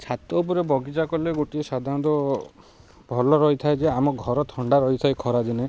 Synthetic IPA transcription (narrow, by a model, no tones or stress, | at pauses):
t͡ʃʰat̪ɔp̬ɔɾebɔɡid͡ʒakɔleɡoʈiesad̪ʱaɾɔ̃nd̪ɔ | bʱɔlɔɾɔjt̪ʰaejd͡ʒeamɔɡʱɔɾɔt̪ʰɔɳɖaɾɔit̪ʰajkʰɔɾad͡ʒ̪ine